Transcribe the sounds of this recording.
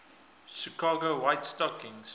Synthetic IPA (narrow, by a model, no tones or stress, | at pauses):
ʃikɑːɡowaɪtstɔkɪ̃ŋs